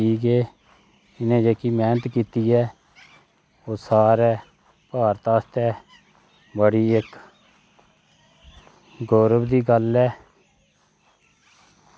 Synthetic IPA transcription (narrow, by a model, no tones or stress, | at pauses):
iːɡeː | ɪnẽːd͡ʒeːkiːmɛ̃ːnət̪kiːt̪iːɛː | oːsaːɾɛː | paːɾt̪aːst̪ɛː | bəɽiːɪk | ɡoːɾəbd̪iːɡəlɛː